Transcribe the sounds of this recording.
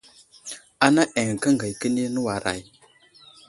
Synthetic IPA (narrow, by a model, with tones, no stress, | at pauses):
a˨na˦ʔe˨ŋ˨kə˦ŋɡə˨jkə˦ni˦nə˦wa˨ɾa̰˨j